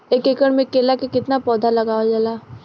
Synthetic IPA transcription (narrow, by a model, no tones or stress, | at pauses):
eːkeːkəɽmẽkeːlakekɪt̪napɔːd̪ʱalɐɡaːad͡ʒalaː